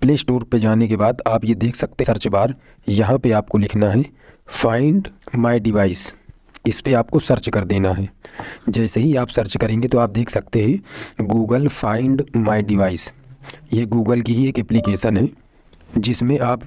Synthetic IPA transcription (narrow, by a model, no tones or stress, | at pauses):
pleːsʈoːɾped͡ʒaːnekebaːd̪aːpjed̪eːkʰsɐk̚t̪esɐɾt͡ʃbaːɾ | jɐɦãpeaːp̚kolɪkʰnaɦɛ | faːɪɳɖmaːɪɖɪʋaːɪs | ɪspeaːp̚kosɐɾt͡ʃkɐɾd̪eːnaɦɛːd͡ʒɛːseɦiaːpsɐɾt͡ʃkɐɾẽːŋɡet̪oaːp̚d̪eːkʰsɐk̚t̪eɦɛ̃ɡuːɡəlfʰaːɪɳɖmaːɪɖɪʋaːɪsjeɡuːɡəlkiɦieːkɛplikeːʃənɦɛ | d͡ʒɪsmẽʔaːp